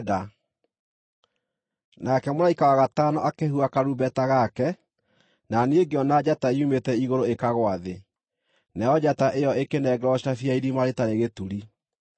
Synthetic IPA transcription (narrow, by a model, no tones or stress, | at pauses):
da | nakɛmoɾaikawaɣatanɔʔakehuakaɾubɛtaɣakɛ | naneeɡeɔnad͡ʑataiumetɛiɣoɾoekaɣwaðe | nɛɔd͡ʑataʔejɔekenɛɡɛɾɔɕiafiaiɾimaɾetaɾeɣetuɾi